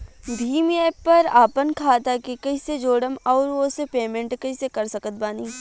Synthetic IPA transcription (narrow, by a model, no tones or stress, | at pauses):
d̪ʱiːmjeːpɐɾaːpənkʰaːt̪akekɐised͡ʒoːɽəmɔːɾʋosepeːmẽɳʈkɐisekɐɾsɐkət̪̚baːniː